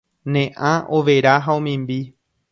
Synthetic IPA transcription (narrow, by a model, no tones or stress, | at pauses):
nẽʔãʔoʋeɾaɦaõmĩmbi